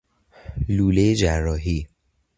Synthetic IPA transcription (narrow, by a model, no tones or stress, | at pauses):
luːlejed͡ʒærːɒːɦiː